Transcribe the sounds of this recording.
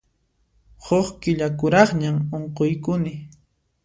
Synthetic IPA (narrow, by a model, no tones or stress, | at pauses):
hoχkɪʎakʊɾɑχɲamoɴqojkʊnɪ